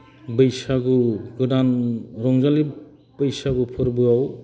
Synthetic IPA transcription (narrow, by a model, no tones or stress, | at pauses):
bɯjsaɡuɡɯdanɾɔŋzali | bɯjsaɡɯpʰɯɾbɯaw